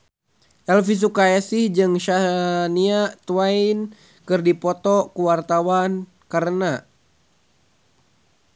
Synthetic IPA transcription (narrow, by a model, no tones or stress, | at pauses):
ʔɛlfis̬ukaɛsɪhd͡ʒɨŋʃaniat̪uain | kɨrdipɔt̪ɔkuwart̪awan | kaɾəna